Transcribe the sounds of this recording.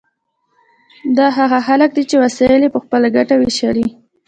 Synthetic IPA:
d̪ɑɦaɣaxalək̚d̪et͡ʃewasɑjəlepəxpəlaɡaʈaweʃali

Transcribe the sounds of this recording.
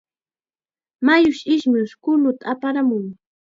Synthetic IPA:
majʊʃɪʃmʊʃkʊlʊt̪aapaɾamʊŋ

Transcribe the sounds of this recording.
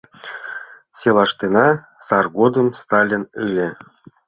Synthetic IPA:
sʲelˠɑʂt̪enɑ | sɑrɣod̪ə̆mst̪ɑlʲinɨlʲĕ

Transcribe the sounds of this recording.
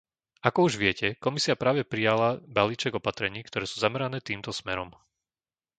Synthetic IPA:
akɔuʒʋɪɛcɛkɔmisiapɾaːʋɛpɾijalabaliːt͡ʃɛɡɔpat̪ɾɛɲiːkt̪ɔɾɛːsuːzamɛɾanɛːt̪iːmt̪ɔsmɛɾɔm

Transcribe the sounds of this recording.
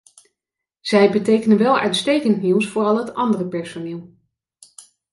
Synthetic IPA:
z̥ɛjbətejkənənʋɛlˠœ̰ɥtstejkəntniwsfʊːrɑlˠɦətɑndərəpɛɹsoneːlˠ

